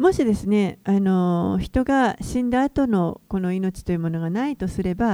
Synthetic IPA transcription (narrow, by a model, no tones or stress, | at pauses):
mo̞ɕid̪e̞sɨne̞ano̞çi̥t̪o̞ɡaɕĩnd̪aːt̪o̞no̞ko̞no̞ino̞t͡ɕi̥t̪o̞jɯmo̞no̞ɡanait̪o̞sɨɾe̞ba